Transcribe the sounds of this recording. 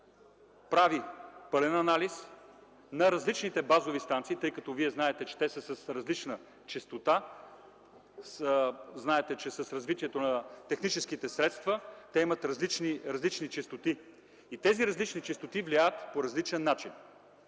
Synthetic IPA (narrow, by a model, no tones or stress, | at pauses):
pɾavipɤlɛnɐnalis | nɐɾɐzlit͡ʃnit̪ɛbazovist̪ant̪siːt̪ɤjkɐt̪ɔviɛznaɛt̪ɛt͡ʃɛ̥t̪ɛsəsəsɾɐzlit͡ʃnə | t͡ʃist̪ot̪a | sznaɛt̪ɛt͡ʃɛsɐsɾɐzvit̪iɛt̪onɐt̪ɛxnit͡ʃɛsk̟it̪ɛsɾɛt̪st̪vət̪ɛimɐt̪ɾɐzlit͡ʃniɾɐzlit͡ʃnit͡ʃist̪ot̪i | it̪ɛziɾɐzlit͡ʃnit͡ʃist̪ot̪ivliajət̪poɾɐzlit͡ʃɛnːat͡ʃin